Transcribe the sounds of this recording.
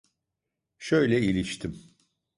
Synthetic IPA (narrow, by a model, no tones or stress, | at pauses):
ʃøjlʲɛilʲiʃt̪ʰim